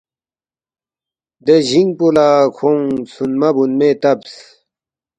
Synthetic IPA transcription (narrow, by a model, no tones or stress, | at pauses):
d̪eʑiŋɡ̚pulaːkʰoŋsunmɐbunmet̪ɐbs